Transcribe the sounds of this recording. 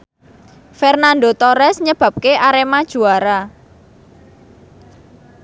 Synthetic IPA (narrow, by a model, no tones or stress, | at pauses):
fɛrnand̪ot̪oɾɛsɲəb̥ä̤p̚keʔaɾemad̥ʒ̥ṳaɾa